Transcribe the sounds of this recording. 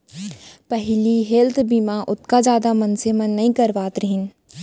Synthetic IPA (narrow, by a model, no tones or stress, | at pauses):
pɐɦliɦeːlt̪ʰbiːmaʔʊt̪kad͡ʒaːd̪amɐnsemɐ̃nːɐɦĩkɐɾʋaːt̪ɾəɦɪn